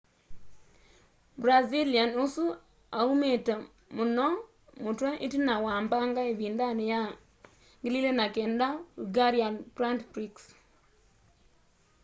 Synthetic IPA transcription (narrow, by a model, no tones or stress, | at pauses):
bɾazilianʊsu | aumeta | mʊnɔ | mʊtwanʔḭtinawambaŋɡaebindanɪja | ŋɡɪlilenakendauɡaɾjanpɾantpɾiks